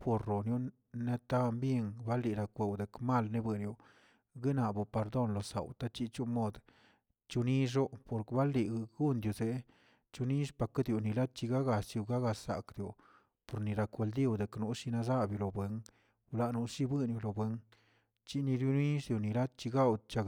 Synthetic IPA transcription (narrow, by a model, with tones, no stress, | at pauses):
po˨ɾːo˨nju˦ | ne˧t̪a˦˧mbje˧ŋba˦li˨ɾa˧kʷe˨wd̪e˨kma˦˨lne˦bwe˧njo˨ | ɡi˦na˨bo˧˨pe˧ɾd̪o˧nlo˨sa̰˨wt̪a˦t͡ʃi˧˦t͡ʃu˦mo˦d̪ | t͡ʃu˧ni˦ʂ̬o˦po˧˨ɾkba˦lːi˨ɡɡu˦nd̪jo˨ze˨˦ | t͡ʃu˧ni˦ʂpa˧ka˦d̪jo˨ni˨la˦d̪̚t͡ʃi˧ɡa˦ɡa˨sju˧ɡa˦ɡa˧sa̰˨kd̪jo˨ | po˨ɾni˨ɾa˧kʷe˧ld̪i˦˨wd̪e˨knu˧˦ʂi˧na˧za˦bjo˧lo˨bwe˧ŋ | wla˧nu˧ʂi˦bɨ˦nju˧lo˨bwe˧ŋ | t͡ʃi˦ni˧ɾju˦ni˦sd̪jo˨ni˨la˦d̪̚t͡ʃi˧ɡa˦w̪t͡ʃa˧